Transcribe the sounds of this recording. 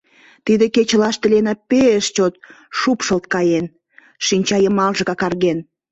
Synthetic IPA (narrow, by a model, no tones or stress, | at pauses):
t̪id̪eket͡ɕəlɑʃt̪əlenɑpeəʃt͡ɕot̪̚ | ʃupʃəlt̪̚kɑjen | ʃinʲt͡ɕɑjəmɑlʒə̆kɑkɑrɣen